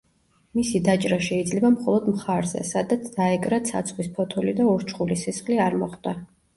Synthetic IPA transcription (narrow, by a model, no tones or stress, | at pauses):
misid̪at͡ʃʼɾaʃɛid̪zlɛbamχɔlˠɔd̪mχaɾzɛ̰sad̪at̪sʰd̪̥aɛkʼɾat̪sʰa̰t̪sʰχwispʰɔt̪ʰɔlid̪aɔɾt͡ʃʰχulisɛsχliaɾmɔχd̪̥a